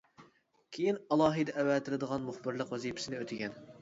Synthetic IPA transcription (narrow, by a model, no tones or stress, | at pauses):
kʲʰejinɑlˠɑːɦɨjd̪ɛʔæwɛt̪ʰɪlɨd̪əʁɑnmʊχbɨɾlˠəqwɛzipʰɪ̥sɪnɪøt̪ʰɪɡʲɛn